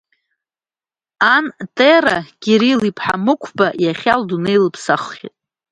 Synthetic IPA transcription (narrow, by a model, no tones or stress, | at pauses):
antʼerakʲiɾilipʰħa̰mɨkʷʰbajaχʲaldunejlɨpʰsaχːʲḭtʼ